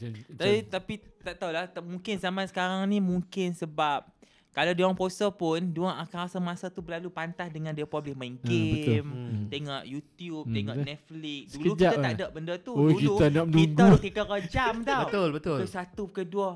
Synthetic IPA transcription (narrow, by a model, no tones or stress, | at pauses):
it̪apit̪aʔt̪aulahmuŋkɪnzamasə̥kaɾaŋnĩmuŋkɪnsəbap̚ | kalawduaŋposəpʊnduaʔakaasəmasat̪ubəlalupant̪asdəŋãndiapɾɔblɪhmaŋɡeəmt̪eŋɔʔjut̪jup̚t̪ɛŋɔʔnɛt̪̚flɪk̚duləukd͡ʒiaaaʔdəʔ̚bəndət̪uoukilut̪anaməkniuɡ̪aut̪it̪əkəd͡ʒamt̪abət̪olbət̪ʊləsat̪ukəduə